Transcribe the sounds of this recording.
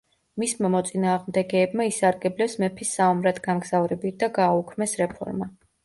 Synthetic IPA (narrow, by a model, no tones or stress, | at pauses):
mismamɔt̪sʼinaːʁmd̪ɛɡɛːbmaisaɾɡɛblɛpsmɛpʰisːaɔmɾad̪ɡamɡz̥avɾɛbid̪aɡaːukʰmɛsɾɛpʰɔ̰ɾma